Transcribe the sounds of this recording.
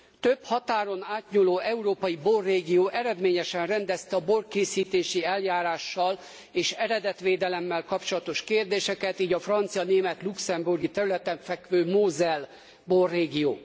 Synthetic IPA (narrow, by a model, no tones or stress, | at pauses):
t̪øphɒt̪aːɾo̞naːt̪ɲuloːʔɛuɾoːpɒjiborːeːɡioːʔɛɾɛd̪meːɲɛʃɛnrɛnd̪ɛst̪ɛɒborkeːsiːt̪eːʃiɛljaːɾaːʃːɒl | eːʃɛɾɛd̪ɛt̪ʋeːd̪ɛlɛmːɛlkɒpt͡ʃo̞lɒt̪o̞ʃkeːrd̪eːʃɛkɛt̪iːɟɒfrɒnt̪sijɒneːmɛt̪luksɛmburɡit̪ɛɾylɛt̪ɛɱfɛkʋøːmoːzɛl | borːeːɡijo̰ː